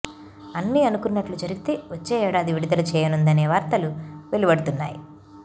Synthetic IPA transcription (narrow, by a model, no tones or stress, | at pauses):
ɐnːiːɐnukunːɐʈlud͡ʒɐɾiɡit̪e̞ːʋot͡ʃːɛːɛːɽaːd̪iʋiɽid̪ɐlut͡ʃɛːjɐnund̪ɐneːʋaːɾt̪ɐluʋe̞libɐɽut̪unːa̰ːji